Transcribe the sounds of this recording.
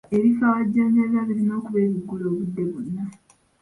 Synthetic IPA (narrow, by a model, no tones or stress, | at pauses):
e̞βifawaɟːaːɲɟaβaβiɾino̞ːkuβe̞ːβiɡːuloːβudːe̞βunːa